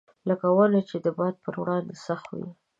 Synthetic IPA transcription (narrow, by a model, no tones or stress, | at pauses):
ləkawəlat͡ʃed̪əbɑd̪̚pəɾwɽɑnd̪esaxt̪wḭ